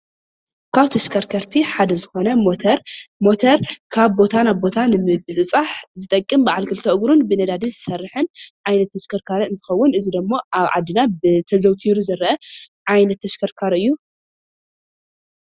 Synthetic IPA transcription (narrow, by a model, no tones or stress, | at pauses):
kʰaβt̪ʰɐʃkʰɐɾkʰɐɾt̪ʰiħad̪ɐzɨxo̞nɐoɾmo̞t̪ʰɐɾkʰaβbo̞t̪ʰanaβbo̞t̪ʰanɨmɨbɨt͡sʼɨt͡sʼaħzɨt̪ʼɐkʼːɨmbaʕalkʰɨlt̪ʰɐʔɨɡɾunbɨnɐd̪ad̪izɨsɐrːɨħɨnʕajnɐt̪ʰːɐskʰɐɾkʰaɾɨnt̪ʰɨ̥xɐwːʊnɨzid̪ɨmːo̞aβʕa̰d̪ːɨnabɨt̪ʰɐzɐwt̪ʰiɾuzɐɾɐʔɐ | ʕajnɐt̪ʰːɐskʰɐɾkʰaɾɨjːu